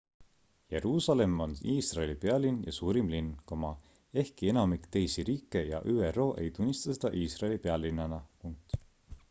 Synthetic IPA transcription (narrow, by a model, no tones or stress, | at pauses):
je̞ɾuːsɑle̞moniːsrɑelipeɑlinjɑ̰suːɾimlinkomɑ | e̞hkie̞nɑmikt̪e̞jsiɾiːkːˑe̞jɑ̰ʔyːero̞ːʔe̞̰jt̪unʲːist̪ɑsed̪̥ɑʔiːsrɑelipeɑlːinːɑnɑpuŋk̚t̪